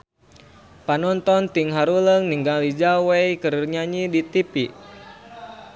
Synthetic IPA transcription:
panɔnt̪ɔnt̪iŋɦaɾuləŋniŋɡalid͡ʒawejkərɲaɲidit̪ipi

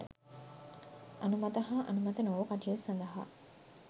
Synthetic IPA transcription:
ə | anumɐt̪əɦaːʔɐ̰numɐt̪ənoʋəkaʈijosand̪ɐɦa̰

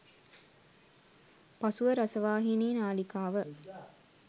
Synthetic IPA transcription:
pɐsuʋəɾɐsəʋaːɦineːnaːlikaːʋə

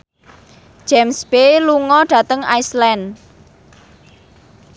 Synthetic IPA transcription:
d͡ʒ̥ɛmsbeluŋɔɖ̥ä̤t̪əŋa̰islɛn

